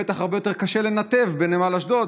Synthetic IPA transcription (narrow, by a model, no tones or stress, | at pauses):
et̪aχaʁbejo̞t̪e̞ʁkaʃele̞nat̪evbenemalaʃd̪ot̪